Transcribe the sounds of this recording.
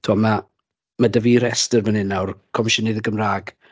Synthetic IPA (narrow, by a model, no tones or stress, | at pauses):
tʰuɔma | madəviɾɛstərvənɪnawrkʰɔmʃənɪðəɡəmraːɡ̥